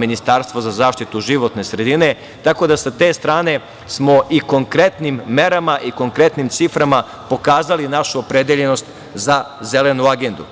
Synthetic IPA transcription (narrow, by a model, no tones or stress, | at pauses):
minist̪aɾst̪ʋozazaːʃt̪it̪uʒiʋo̞t̪ne̞sɾe̞d̪ine̞ | t̪ako̞d̪asat̪e̞ːst̪ɾaːne̞ | smo̞ʔiko̞ŋkɾe̞t̪nimːe̞ɾamaʔiko̞ŋkɾe̞t̪nimt̪sifɾama | po̞kaːzalinaʃuopɾe̞d̪eʎe̞no̞st̪ | zazele̞nuaɡe̞nd̪u